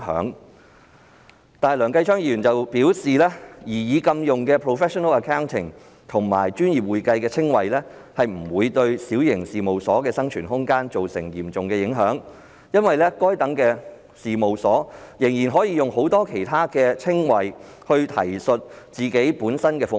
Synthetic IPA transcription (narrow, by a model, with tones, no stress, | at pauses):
hœ̰ː˨˥ŋ | t̪aː˨lœː˨˩ŋkɐ˧jt͡ʃʰœː˥ŋjiː˧˥ɥyː˨nt͡sɐ˨wpiː˨˥wsiː˨lɛː˥jiː˨˩jiː˨˧kɐ˧mjʊ˨˩ŋkɛː˧pʰɹo˨fɛː˥ʃɔ˨nɐ˥lɐ˨kʰaː˥wnt̪ʰɪ̰˨˩ŋ | t̪ʰʊ˨˩ŋma̰ː˨˩jt͡ʃyː˥njiː˨p̚wuː˨jkɐ˧jkɛː˧t͡sʰɪ˥ŋwɐ˨jlɛː˥hɐ˨jm̩˨˩wuː˨˧jt̪ɵ˧ɥsiː˨˥wjɪ˨˩ŋsiː˨mo˨wsɔː˨˥kɛː˧sɐ˥ŋt͡ʃʰyː˨˩nɦʊ˥ŋkaː˥nt͡ʃo˨wsɪ̰˨˩ŋjiː˨˩mt͡sʊ˨ŋkɛː˧jɪ˨˥ŋɦœː˨˥ŋ | jɐ˥nwɐ˨jlɛː˥kɔː˥jt̪ɐ˨˥ŋkɛː˧ | siː˨mo˨wsɔː˨˥jɪ˨˩ŋjiː˨˩nɦɔː˨˥jiː˧jʊ˨ŋho˨˥wt̪ɔː˥kʰe˨˩jt̪ʰaː˥kɛː˧t͡sʰɪ˥ŋwɐ˨j | hɵ˧ɥt̪ʰɐ̰˨˩jsɵ˨t̚ | t͡siː˨ke˨˥jpuː˨˥nsɐ˥nkɛː˧fʊ˨